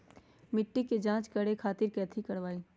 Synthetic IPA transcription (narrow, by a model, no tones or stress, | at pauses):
mɪʈːiked͡ʒãːt͡ʃkɐɽekʰaːt̪ɪɾkɛːt̪ʰikɐɽʋaːiː